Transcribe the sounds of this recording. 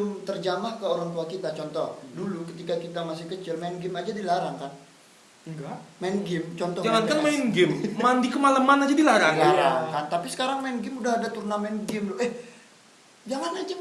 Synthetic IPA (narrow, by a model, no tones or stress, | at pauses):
mt̪ərd͡ʒamahkəoɾaŋt̪uakit̪at͡ʃɔnt̪ɔhdulukət̪ikakit̪amasɪhkət͡ʃɪlmanɡɪmad͡ʒadilaɾaŋkan | ɡamainɡɪmt͡ʃɔnt̪ɔd͡ʒaŋankanmainɡɪmmandikəmaləmanad͡ʒadilaɾaŋilaɾaŋkant̪apisə̥kaɾaŋmainɡɪmudaɦadat̪urnamɛnɡɪmlɛh | d͡ʒaŋanad͡ʒa